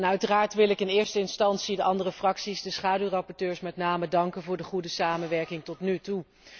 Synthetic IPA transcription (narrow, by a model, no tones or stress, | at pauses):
nœɥtəraːɹtʋɪlɪkɪnɪːɹstəɪnstɑnsidəʔɑndərəfrɑksizdəsχaːdyrɑpɔɹtøːɹsmɛtnaːmədɑŋkənvʊːɹdəχudəsaːmənʋɛɹkɪŋtɔtnytu